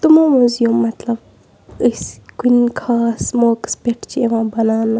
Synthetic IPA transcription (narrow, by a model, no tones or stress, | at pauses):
t̪umãmuzjomːɐt̪lɐb | əskuinkʰaːsmoːkspeʈʰt͡ʃʰieʋãːbɐnaːnɐ